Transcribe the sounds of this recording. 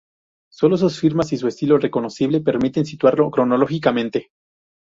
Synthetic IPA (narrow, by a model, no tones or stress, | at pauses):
so̞lo̞s̬usfiɾmasis̬ue̞st̪ilo̞re̞ko̞no̞siβ̞le̞pe̞ɾmit̪e̞ns̬it̪waɾlo̞kɾo̞no̞lo̞xikamẽ̞nt̪e̞